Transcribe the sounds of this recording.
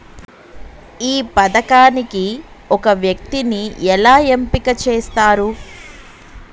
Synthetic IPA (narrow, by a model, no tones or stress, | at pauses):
iːpɐd̪ɐkaːniki | ɔkɐʋjɐk̚t̪iniɛlaːjempikɐt͡ʃeːst̪aːɾu